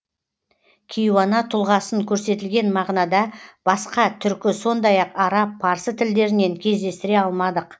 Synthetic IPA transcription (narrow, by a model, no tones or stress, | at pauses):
kʲʰijwɑnɑt̪ʰʊlˠʁɑsəŋkʲʰɵɾse̞t̪ɪlɡʲe̞nmɑʁnɑd̪ɑb̥ɑsqɑt̪ʰʏɾkʲɪso̞nd̪ɑjɑqɑɾɑpʰːɑɾsət̪ʰɪld̪e̞ɾɪne̞ŋkʲʰe̞zd̪e̞st̪ɪɾe̞ɑlˠmɑd̪əq